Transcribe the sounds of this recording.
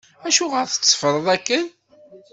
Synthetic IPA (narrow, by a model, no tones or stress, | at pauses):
æʃuʁəɾθə̥t͡sːfəɾˤəðˤækːən